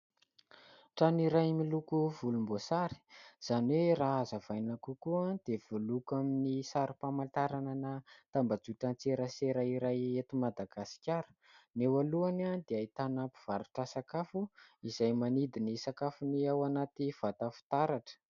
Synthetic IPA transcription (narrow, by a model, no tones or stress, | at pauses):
ʈ͡ʂaniɾajmilukuv̥ulumbosaɾi̥z̥anweraazavajnakukuad̪̥ev̥olukaminisaɾipamant̪aɾananat̪ambad͡zuʈ͡ʂant͡seɾəseɾaiɾajet̪umad̪aɡasi̥kʲaɾu̥ | newaluanad̪eait̪anapu̥v̥aɾuʈ͡ʂəsakafuiz̥ajmanid̪inisakafuniawanat̪iv̥at̪afi̥t̪aɾaʈ͡ʂə̥